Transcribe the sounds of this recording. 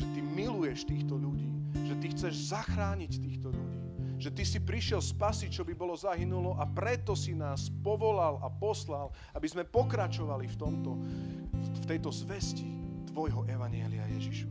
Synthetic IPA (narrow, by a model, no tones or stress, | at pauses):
ʒɛt̪imilujɛʃt̪iːxt̪ɔʎuɟiːʒɛt̪ixt͡sɛʒzaxɾaːɲict̪iːxt̪ɔʎuɟiː | ʒ̥ɛt̪isipɾiʃɪɛlspasit͡ʃɔbibɔlɔzaɦinulɔʔapɾɛt̪ɔsinaːspɔʋɔlalapɔslal | abizmɛpɔkɾat͡ʃɔʋalift̪ɔmt̪ɔ | ft̪ɛjt̪ɔzʋɛscit̪ʋɔjɦɔʔɛʋaɲɪɛlia̰jɛʒiʃ